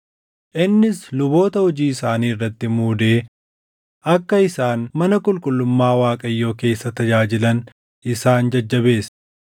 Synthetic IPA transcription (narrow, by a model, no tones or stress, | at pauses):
ʔɪnːɪslʊbo̞ːt̪ɐhɔd͡ʒiːɪsaːniːɪrːɐt̪ːɪmuːd̪e̞ː | ʔɐkːɐɪsaːnmɐnɐkʼʊlkʼʊlːʊmːaːwaːkʼɐjːo̞ːke̞ːsːɐt̪ɐd͡ʒaːd͡ʒɪlɐn | ʔɪsaːnd͡ʒɐd͡ʒːɐbe̞ːs